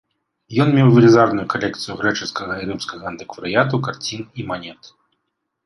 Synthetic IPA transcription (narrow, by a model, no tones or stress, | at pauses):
jɔnmʲɛwvʲilʲizarnujukalʲɛkt̪sɨjuɣɾɛt͡ʂɨskɐɣɐiɾɨmskɐɣɐɐnt̪ɨkvɐɾɨjat̪̬ukart͡sʲinimanʲɛt̪